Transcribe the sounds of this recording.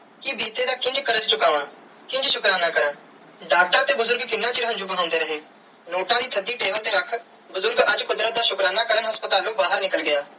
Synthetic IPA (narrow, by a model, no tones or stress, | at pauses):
kɪbiːt̪eːd̪aːkɪ̃nd͡ʒkəɾəd͡ʒt͡ʃʊkaːʋãː | kɪ̃nd͡ʒʃʊkɾaːnãːkəɾən | ɖaːk̚ʈəɾat̪eːbʊzʊɾɡkɪnːãːt͡ʃɪɾəɦə̃nd͡ʒʊbɦãːʊ̃nd̪eːɾəɦeː | noːʈãːd̪iːt̪ʰəd̪iːʈeːbəlt̪eːɾəkʰ | bʊzʊɾɡəd͡ʒkʊd̪ɾat̪̚d̪aːʃʊkɾaːnaːkəɾənɦəspət̪aːloːbaːɦəɾnɪkəlɡɪjaː